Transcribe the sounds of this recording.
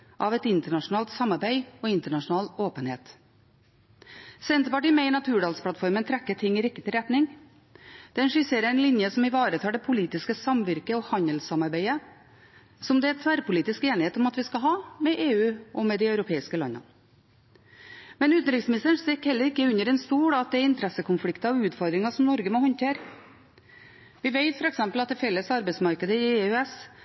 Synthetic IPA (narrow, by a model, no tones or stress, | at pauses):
ʔɑʋɛt̪ɪnt̪əɳɑʂʊnɑːlt̪sɑmɑɾbæɪɔɪnt̪əɳɑʂʊnɑːloːpənhḛːt̪ | sɛnt̪əpɑʈ̬iːmɛɪnɑt̪ʰʉːɖɑːlspʰlɑt̪fɔɾmənt̪ʰɾɛkːəʈʰɪŋːɪɾɪkːət̪ɪɾɛt̪nɪŋ | d̪̥ɛnʂɪseːɾəæɪnlɪnjəsɔmɪʋɑːɾət̪ʰɑːɖ̪ɛpʰʊliːt̪ɪskəsɑmʋɪɾkəɔhɑɲəlsɑmɑɾbæɪə | sɔmd̪ɛæt̪ʰʋæɾpʊliːt̪ɪskeːnɪheːt̪ɔmɑt̪ʋɪskɑɦɑːmɛʔeːʉːʔɔmɛd̪ɪœʉɾʊpʰeːɪskəlɑ̰nɑ̰ | mɛnʉːt̪n̩ɾɪksmɪnɪst̪əɳst̪ɛkːhɛlːəɾɪkːəʉɲəɾɛnst̪uːɽɑt̪̚d̪ɛæɾɪnt̪ʰɾɛsəkʰʊnflɪkt̪ɑɔʉːt̪fɔɾd̪ɾɪŋɑsɔmnɔɾɡəmɔhɔnt̪ʰeːɾə | ʋɪʋeɪt̪fɔɾɛksɛmpəlɑt̪d̪ɛfɛlːəsɑɾbɛɪtsmɑɾkəd̪əɪeʉɛs